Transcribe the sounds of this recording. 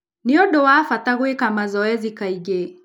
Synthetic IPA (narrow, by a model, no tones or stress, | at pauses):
niɔɗɔwafataɣwɛkamazɔɛzikaiɡɛ